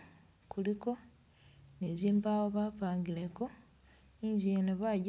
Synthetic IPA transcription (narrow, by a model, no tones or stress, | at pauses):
kuliko̞ | neziːmbawoβaːpaːŋɡileko̞ | iːɲzujeneβaɟ